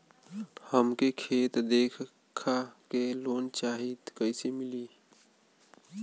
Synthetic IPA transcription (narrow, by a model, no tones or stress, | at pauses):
həmkekʰeːt̪d̪eːkʰ | kʰakeloːnt͡ʃaːɦid̪kəɪsemɪliː